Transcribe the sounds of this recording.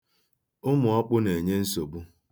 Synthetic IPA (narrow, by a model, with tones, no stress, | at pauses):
ʊ˦mʊ˨ɔ˦k͡pʊ˦ne˨ɲe˦n̩˦so˨bu˦